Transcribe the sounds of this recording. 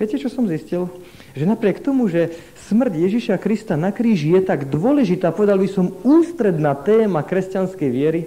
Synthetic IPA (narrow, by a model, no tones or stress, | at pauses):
ɪɛcɛt͡ʃɔsɔmziscil | ʒɛnapɾɪɛkt̪ɔmuʒɛ | smr̩ɟjɛʒiʃakɾist̪anakɾiːʒijɛt̪aɡd̪ʊɔlɛʒit̪aːpɔʋɛd̪albisɔmuːst̪ɾɛd̪naːt̪ɛːmakɾɛscanskɛjʋɪɛɾi